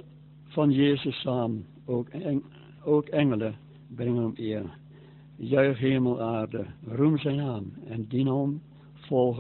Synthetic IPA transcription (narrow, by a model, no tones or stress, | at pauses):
fɑnjeːzəsaːm | o | oːkɛŋələ | brɪŋənɔmɪər | jœɥχɦeːməlˠʔaːrdərumzɛjnaːmɛndinom | fɔlˠɣ